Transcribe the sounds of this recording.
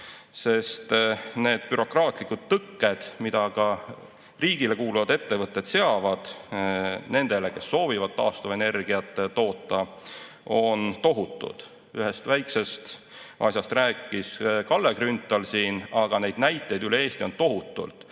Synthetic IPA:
se̞st̪ne̞ːd̪̥̚pyɾo̞krɑːt̪ˑlikud̪̥̚t̪ɤkːe̞d̪̥mid̪̥ɑkɑ | riːɡ̥ile̞kuːluvɑd̪e̞t̪ːe̞vɤt̪ːˑe̞d̪̥se̞ɑvɑd̪̥ | ne̞nd̪̥e̞le̞ke̞sːo̞ːvivɑd̪̥̚t̪ɑːst̪ɑvɑene̞rɡ̥iɑt̪ːˑet̪o̞ːt̪ːˑɑ | o̞nt̪o̞ɦut̪ːˑṵd̪̥ | yɦe̞st̪væjkse̞st̪ | ʔɑ̰sjɑst̪ræːkːˑiskɑlːekrynt̪ːˑɑlsiːnɑɡ̥ɑne̞jd̪̥næjt̪ˑːe̞jd̪yle̞e̞ːst̪io̞nt̪o̞ɦut̪ːˑṵlt̪

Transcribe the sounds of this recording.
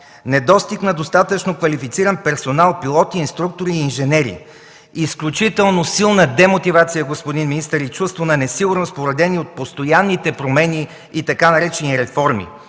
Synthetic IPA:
nɛd̪ɔst̪iknɐd̪ost̪at̪ət͡ʃnokvɐlifit̪siɾənpɛɾsonalˠpilˠɔt̪iːnst̪ɾuk̚t̪oɾiːnʒɛnɛɾḭ | isklʲut͡ʃit̪ɛlˠnosilˠnəd̪ɛmot̪ivat̪sijəɡospod̪inminist̪əɾit͡ʃust̪vonɐnɛsiɡʊɾnospoɾɐd̪ɛniot̪̚post̪ojanːit̪ɛpɾomɛniː | t̪ɐkanɐɾɛt͡ʃɛniɾɛfɔɾmḭ

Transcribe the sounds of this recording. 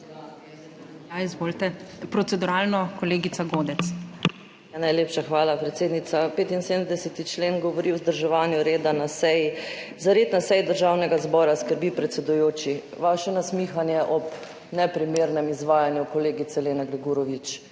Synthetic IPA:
aizʋoːlt̪ɛpɾɔt̪ɛd̪uɾalnɔkɔleːɡisaɡoːd̪ɛt̪s | anajlepʃaxʋaːlapɾɛt̪seːd̪nit̪sapeːt̪inseːd̪əmd̪ɛsɛt̪it͡ʃleːnɡɔʋɔɾiwzd̪əɾʒɛʋaːnjuɾeːd̪anasɛjizaɾeːt̪nasɛjd̪əɾʒawnɛɡazbɔːɾaskəɾbipɾɛt̪sɛd̪ujoːt͡ʃi | ʋaʃɛnasmiːxanjɛʔɔp | nɛpɾimeːɾnɛmizʋaːjanjukɔleːɡit̪sɛleːnaɡɾɛɡuɾɔʋit͡ʃ

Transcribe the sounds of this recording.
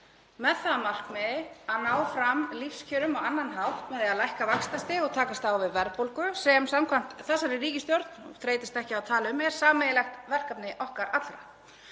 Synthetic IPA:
mɛðθaðmar̥kmɛðaðnaːwfɾamlifscʰœːɾʏmɔɣanːanɦawht̪mɛðɛaðlajhkavakst̪ast̪ɪɔɣt̪ʰaːkast̪awvɪðvɛɾpowlkʏsɛmsamkʰvam̥t̪θɛsaɾɪriːcɪst̪jɔɾt̪nɔ̰θɾeːjt̪ɪst̪ɛhcɪawt̪ʰaːlɪʏmɛɾ̥saːmɛjɪlɛxt̪vɛr̥kapnɪʔɔhkaɾat̪lɾa̰

